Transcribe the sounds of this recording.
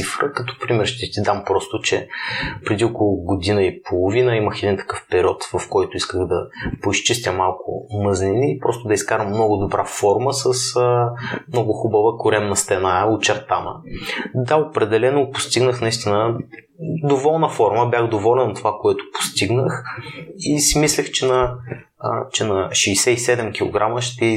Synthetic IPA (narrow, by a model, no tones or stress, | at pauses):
ifɾəkɐt̪ɔ̥pɾimɛɾʃt̪ɛt̪id̪ampɾɔst̪ʊt͡ʃɛpɾɛd̪iokolˠʊɡod̪inəipʰolˠʊvinəiməxɛd̪int̪ɐ̥kɤfpɛɾʲiɔt̪vɐfkɔjt̪ʊiskəɣd̪ɐpoist͡ʃist̪ʲəmalˠkʊ̰məznʲiniːpɾɔst̪ʊd̪ɐiskaɾɐmːnɔɡʊd̪obɾʔafɔɾməsəsəmnɔɡʊxubəvəkʊɾɛmnɐst̪ɛnaot͡ʃɛɾt̪anə̰d̪aopɾɛd̪ɛlɛnʊpʊ̥st̪iɡnəxnɐist̪inə | d̪ovɔlˠnəfɔɾməbʲjaxd̪ovɔlɛnt̪ovakoɛt̪ʊ̥po̥st̪iɡnəx | isimislɛxt͡ʃɛnɐ̰ | t͡ʃɛnɐʃɛːsɛisɛd̪ɛmkʲilˠo̰ɡɾʔaməʃt̪ɛ